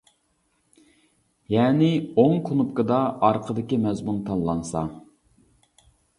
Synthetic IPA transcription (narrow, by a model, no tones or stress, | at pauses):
jɛːnɪoŋkʰʊnup̚kəd̪ɑɑɾqʰəd̪ɪkʲimɛzmunt̪ʰɑnlˠɑnsɑ̰